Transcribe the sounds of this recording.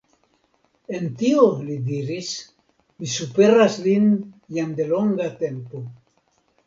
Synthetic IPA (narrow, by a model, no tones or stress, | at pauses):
ent̪iolid̪iɾis | misupeɾazlinjand̪eloŋɡat̪empo